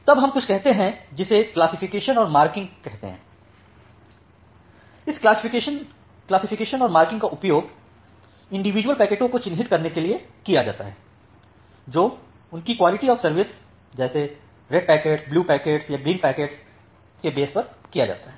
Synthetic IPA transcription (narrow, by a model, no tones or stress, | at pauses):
t̪ɐbɦɐ̃mkʊt͡ʃʰkɛɦt̪eɦɛ̃d͡ʒɪseklaːsɪfɪkeːʃənɔːɾmaːɾkɪ̃ŋɡkɛɦt̪ḛɦɛ̰̃ː | ɪskasɪʃən | klaːsɪfɪkeːʃənɔːɾmaːɾkɪ̃ŋɡkaʔʊpjoːɡ | ɪ̃ɳɖɪʋiːd͡ʒwəlpɛːkeːʈõkot͡ʃɪ̃nɦɪt̪̚kɐɾnekeliekijad͡ʒa̰ːt̪aɦɛː | d͡ʒoː | ʊnkikwaːlɪʈiɔːɾsɐɾʋɪs | d͡ʒɛːse | ɾɛɖ̚pɛːkeːʈsbluːpɛːkeːʈsjaɡɾiːnpɛːkeːʈs | kebeːspɐɾkija̰d͡ʒa̰ːt̪aɦɛː